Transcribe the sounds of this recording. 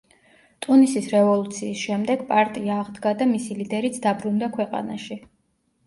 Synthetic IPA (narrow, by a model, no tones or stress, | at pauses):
t̪ʼunisisɾɛvɔlˠut̪sʰiːsʃɛmd̪ɛɡpʼaɾt̪ʼiaːʁd̪ɡad̪amisilid̪ɛɾit̪sʰd̪abɾund̪akʰwɛqʼa̰naʃi